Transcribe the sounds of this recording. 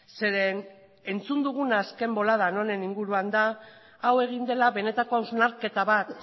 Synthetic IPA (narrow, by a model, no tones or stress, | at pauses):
se̞ɾen | ent͡sund̪uɣ̞unaske̞mbo̞laðano̞ne̞niŋɡuɾuand̪aː | we̞ɣ̞ind̪e̞laβe̞ne̞t̪ako̞awznaɾke̞t̪aβat̪